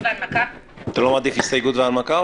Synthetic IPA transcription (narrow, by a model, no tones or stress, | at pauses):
maka | at̪alomad̪iχhist̪ajɡut̪vealmaka